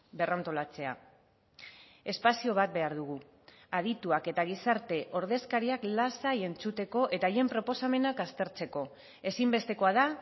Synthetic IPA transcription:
be̞rant̪o̞lat͡se̞a̰ | e̞spasio̞βat̪̚be̞aɾðuɣ̞u | að̞it̪uake̞t̪aɣ̞isaɾt̪e̞ʔo̞ɾð̞e̞skaɾiaklasaje̞nt͡sut̪e̞ko̞ʔe̞t̪aje̞mpɾo̞po̞same̞nakast̪e̞ɾt͡se̞ko̞ | e̞simbe̞st̪e̞ko̞aða

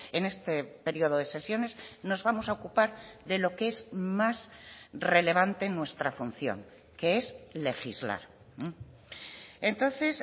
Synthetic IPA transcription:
ene̞st̪epe̞ɾio̞ðoðe̞se̞sjo̞ne̞zno̞zβamo̞saokupaɾðe̞lo̞kee̞zmasre̞le̞β̞ant̪e̞nwe̞st̪ɾafun̟θjo̞̰ŋ | kee̞sle̞xizla̰ɾ̩ | e̞nt̪o̞nθe̞s

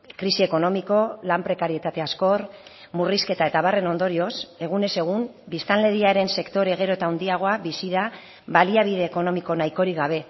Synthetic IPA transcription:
kɾisie̞ko̞no̞miko̞lampɾe̞kaɾie̞t̪at̪e̞asko̞r | muriske̞t̪ae̞t̪aβ̞are̞no̞nd̪o̞ɾio̞se̞ɣ̞une̞se̞ɣ̞um | bist̪anle̞ðiaɾe̞nse̞kt̪o̞ɾe̞ɣ̞e̞ɾo̞et̪awnd̪iaɣ̞o̞aβisiða | βaliaβ̞iðe̞ːko̞no̞miko̞najko̞ɾiɣaβ̞e̞

